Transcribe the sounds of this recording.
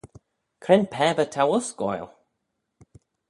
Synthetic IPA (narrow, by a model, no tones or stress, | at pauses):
kʰɾɛnpʰɛːbət̪ʰawʊsɡɔ̰jl